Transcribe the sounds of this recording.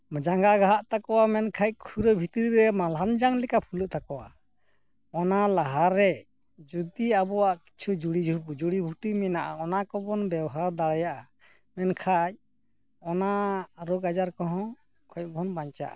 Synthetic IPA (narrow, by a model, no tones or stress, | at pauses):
md͡ʒaŋɡaɡaɦaʔt̪akɔwamɛnkʰac̚kʰuɾəbʱit̪ɾiɾɛmalɦand͡ʒaŋlɛkapʰuluʔt̪ʰakɔwa̰ | ɔnalaɦaɾːɛ | d͡ʒud̪iabɔwaʔki̥t͡ʃʰud͡ʒuɽid͡ʒʱupud͡ʒuɽibʱuʈimɛnaʔa̰ɔnakɔbɔnbɛwɦaɾd̪aɽɛjaʔa | mɛnkʰaj̚ | ɔnaɾɔɡad͡ʒaɾkɔɦɔ̃ | kʰɔc̚bʱɔnbaɲt͡ʃa̰ʔa̰